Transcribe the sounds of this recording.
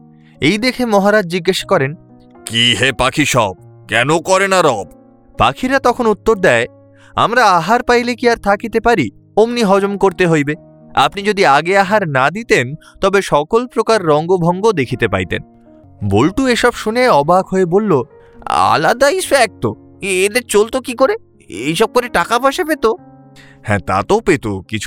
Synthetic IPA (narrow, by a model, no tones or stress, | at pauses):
ejd̪ekʰemɔɦaɾad͡ʑd͡ʑiɡːaʃḁkɔɾen | kiɦepakʰiʃɔ̰b̚kɛnokɔɾenaɾɔb̚ | pa̰kʰiɾat̪ɔkʰonut̪ːoɾd̪ɛe | a̰mɾaaɦaɾpajlekiaɾt̪ʰakit̪epaɾi | omniɦɔd͡ʑomkoɾt̪eɦojbe | a̰pnid͡ʑod̪iaɡeaɦaɾnad̪it̪en | t̪ɔbeʃɔkolpɾokaɾːɔŋɡobʱɔŋɡod̪ekʰit̪epa̰jt̪ḛn | bolʈueʃɔbʃuneɔbaɡʱɦoebolːo | a̰lad̪aifɛk̚t̪o | ed̪eɾt͡ɕolt̪okikoɾe | ejʃɔb̚koɾeʈakapaʃepet̪o | hɛ̰̃t̪a̰t̪opet̪okit͡ɕʰu